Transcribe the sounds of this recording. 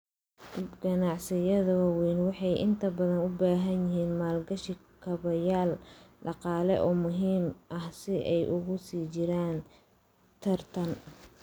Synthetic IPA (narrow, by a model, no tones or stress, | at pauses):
ɡɐnɑʕsɪjɐðɐwaːwɛjnwɑħɑjʔɪ̰nt̪ʰɐbɐðɐnʊbaːɦɐnjɪɦiːnmaːlɡɐʃɪkʰɐβɐjaːlɖɑqɑːlɛ̰ʔɔːmʊɦiːmʔɐhsɪʔɛjʔʊɣʊsiːt͡ʃɪɾaːn | t̪ʰɐrt̪ʰɐn